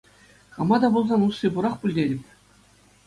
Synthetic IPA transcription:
χɑmɑd̪ɑbulˠzɑnusːibuɾɑχpʲulʲdʲeɾʲɘ̆pʲ

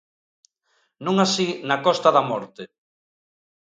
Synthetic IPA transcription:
nũŋasinakɔst̪ɐðɐmɔɾt̪e

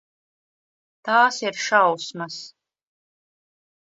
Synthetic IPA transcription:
t̪aːsiɾʃawsmas

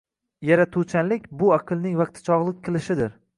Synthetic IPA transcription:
jaɾat̪ʰut͡ʃʰanlɪk̚ʲbʊaqʰɨlˠnɪŋvɑq̚t̪ʰɪ̥t͡ʃʰɒʁlˠɪk̚ʲqʰɨlˠɪʃɪd̪ɪɾ

